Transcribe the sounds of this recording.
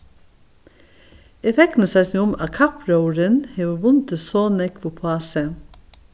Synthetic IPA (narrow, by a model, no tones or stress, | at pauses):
ɛfɛk̚t̪n̩əsɑɪsnɪʊmɑkʰɑpɾəʊɾənheːʋʊʋʊnt̪ʰəsoːnɛkʋʊpʰɑːsə